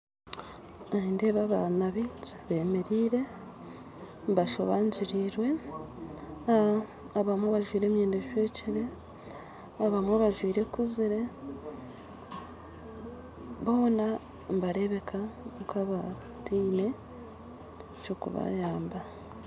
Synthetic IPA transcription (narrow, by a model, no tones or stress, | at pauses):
aiːnde̞βaβanaβiβe̞ːme̞ɾiːɾe̞ | mbaʃo̰βaːɲɟiɾiɾwe̞ | aβamweβaʒwiːɾe̞ːmjeːndeʃwe̞ːciɾe̞ | aβamweβaʒwiːɾe̞kuziɾe̞ | βo̞ːna | mbaɾe̞βe̞kʰaukʰaβa | tiːne̞ | t͡ʃokṵβa̰jaːmba